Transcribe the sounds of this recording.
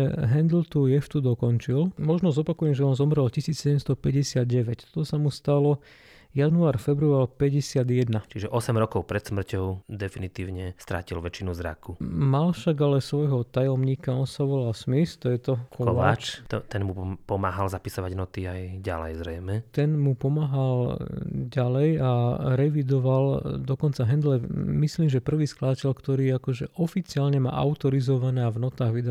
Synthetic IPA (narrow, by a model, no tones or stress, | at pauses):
ɛɦɛnd̪lt̪ujɛft̪ud̪ɔkɔnt͡ʃilmɔʒnɔzɔpakujɛmʒɛɔnzɔmɾɛlcisiːt͡ssɛɟɛmst̪ɔpɛɟɛsɪad̪̚ɟɛʋɛct̪ɔ̥t̪ɔsamust̪alɔ | januaːɾfɛbɾualpɛɟɛsɪad̪jɛd̪nat͡ʃiʒɛʔɔsɛmɾɔkɔʊpɾɛt̪smr̩cɔʊd̪ɛfinit̪iːʊɲɛst̪ɾa̰cilʋɛt͡ʃinuzɾa̰kumalfʃaɡalɛsʋɔjɦɔt̪ajɔmɲiːkaɔnsaʋɔlalsmist̪ɔjɛt̪ɔkʰɔɔʋaaːt͡ʃt̪ɔt̪ɛnmupɔmaːɦalzapisɔʋaɟnɔt̪iajɟa̰lɛ̰jzɾɛjmɛt̪ɛnmupɔmaːɦalɟalɛjaɾɛʋid̪ɔʋald̪ɔkɔnt͡saɦɛnd̪lɛmisliːmʒɛpr̩ʋiːsklad̪acɛʎkt̪ɔɾiːakɔʒɛʔɔfit͡siaːlɲɛma̰ːʔa̰ʊt̪ɔɾizɔʋanɛːavnɔt̪aːɣʋid̪a